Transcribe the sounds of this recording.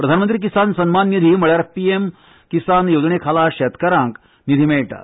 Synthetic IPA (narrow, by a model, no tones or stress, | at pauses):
pɾɐd̪ʱanmənt̪ɾiːk̬isansənmanːid̪ʱiməɭjaɾpiem | kisanjod͡zɳekʰalaɕɛt̪kəɾãŋk | nid̪ʱimeʈa̰